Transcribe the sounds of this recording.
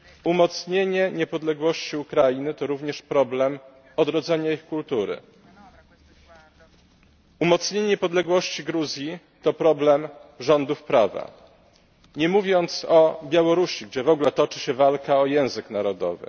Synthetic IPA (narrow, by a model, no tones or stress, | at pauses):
umɔt̪sɲeɲɛɲɛpɔd̪lɛɡwɔɕt͡ɕiukɾajinɘt̪ɔɾuvɲɛʂpɾɔblɛm | ɔd̪ɾɔd̪zɛɲaixkult̪uɾɘ̰ | umɔt̪sɲeɲɲɛpɔd̪lɛɡwɔɕt͡ɕiɡɾuzʲji | t̪ɔpɾɔblɛmʐɔnd̪ufpɾava̰ | ɲɛmuvʲjɔnt̪sɔbʲjawɔɾuɕiɡd͡ʑɛvɔɡlɛt̪ɔt͡ʂɘɕɛvalkaɔjɛ̃w̃zɘknaɾɔd̪ɔ̰vɘ̰